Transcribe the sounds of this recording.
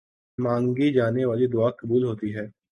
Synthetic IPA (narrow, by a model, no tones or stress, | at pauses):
mãːŋɡid͡ʒaːneːʋaːlid̪ʊaːkəbuːlɦoːt̪iːɦɛː